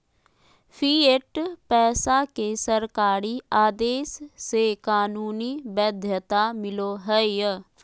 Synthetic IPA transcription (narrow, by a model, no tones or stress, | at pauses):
pʰiːeʈpɛːsakesəɾkaːɾiaːd̪eːsːekaːnuːniːbəd̪ʱjət̪amɪloɦɛej